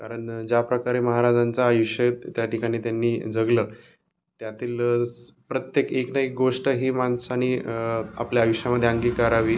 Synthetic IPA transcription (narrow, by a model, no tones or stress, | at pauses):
kaɾəɳd͡ʑapɾəkaɾeməɦaɾad͡zant͡saːjuʂjət̪jaʈikaɽ̃iːt̪janːiːd͡zəɡlə | t̪jat̪iːlpɾət̪jekeknəek̚ɡoʂʈəɦiːmansañia̰pljaːjuʂjaməd̪ʱːjeəŋɡiːkəɾaʋiː